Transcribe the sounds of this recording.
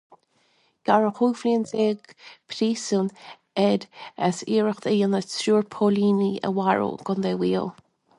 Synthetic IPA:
ɡ̥aɹəxuːfliənzeːɡpʰɾiːsun | ɛd̪əsiːɹəxd̪əjənəsɾuːɹpʰoːliːniə̰waɹo̰ːɡ̥ʊnd̪eːwiːəlˠ

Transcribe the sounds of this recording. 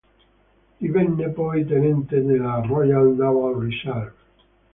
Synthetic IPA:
iβenːepɔjt̪enent̪ed̪elarɔjald̪aβalrisal

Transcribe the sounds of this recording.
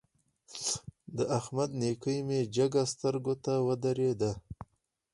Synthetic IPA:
d̪əʔahmad̪nekəjmed͡ʒaɡast̪əɾɡot̪awəd̪aɾed̪a

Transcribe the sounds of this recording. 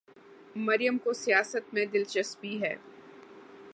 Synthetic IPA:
mɐɾjəmkosijaːsət̪mẽd̪ɪlt͡ʃəsbiɦɛ̰ː

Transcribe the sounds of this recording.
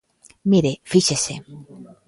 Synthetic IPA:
miɾefiʃese

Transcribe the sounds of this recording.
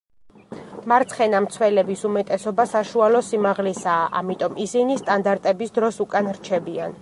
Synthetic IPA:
maɾt̪sʰχɛnamt̪sʰwɛlɛbisumɛt̪ʼɛsɔbasaʃualɔsimaʁlɛsaːʔa̰mit̪ʼɔmisinist̪ʼand̪aɾt̪ʼɛbisd̪ɾɔsukʼanɾt͡ʃʰɛbian

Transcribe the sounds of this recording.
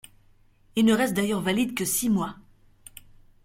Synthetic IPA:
ilnəʁɛst̪̚d̪ajœʁvalid̪kəsimwa

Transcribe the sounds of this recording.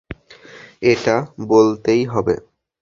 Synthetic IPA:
eʈabolt̪ejɦɔbḛ

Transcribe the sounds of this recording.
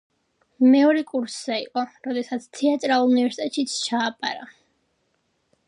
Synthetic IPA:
mɛɔɾɛkʼuɾszɛiqʼɔɾɔd̪ɛsat̪sʰt̪ʰɛat̪ʼɾalˠulˠunivɛɾsi̥t̪ʼɛt̪ʼʃit̪sʰt͡ʃʰaːpʼa̰ɾa

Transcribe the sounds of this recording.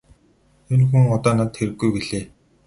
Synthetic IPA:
ʊnxŭŋɔt̪ɔːnat̪xeɾɘ̆ɡːujpeɮeː

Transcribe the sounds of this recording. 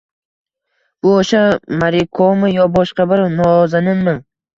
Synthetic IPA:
b̥ʊoʃamaɾɪkʰomɪjɒbɒʃqabɪɾnɒzanɪmɪŋ

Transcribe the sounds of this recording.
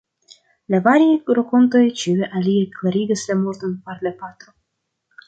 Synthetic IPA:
lavaɾiajɾoko̞nt̪o̞jt͡ʃiweʔalieklaɾiɡislamoɾt̪onpaɾlapat̪o

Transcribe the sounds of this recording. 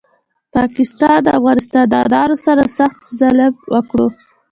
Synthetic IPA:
pɑkɪst̪ɑnd̪əafɣɑnɪst̪ɑnd̪ɑd̪ɑɾosaɾasaxt̪zalabwəkɽo

